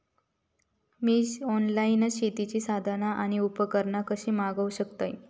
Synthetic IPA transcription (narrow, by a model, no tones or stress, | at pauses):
miːɔnlainɕet̪it͡ɕiːsad̪ʱanaʔaɽ̃iupəkəɾɳakəɕiːmaɡəwɕəkt̪aj